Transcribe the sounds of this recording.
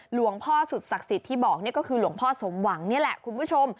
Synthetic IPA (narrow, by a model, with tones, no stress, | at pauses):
lu˨˩˦əŋpʰɔː˥˩su˨˩t̪̚sa˨˩k̚si˨˩t̪ʰːiː˥˩bɔː˨˩k̚ni˥˩ɐkɔ˥˩kʰɯː˧lu˩˦əŋpʰɔː˥˩so˩˦mwa˩˦ŋni˥˩ɐlɛ˨˩kʰu˧npʰu˥˩t͡ɕʰo˧m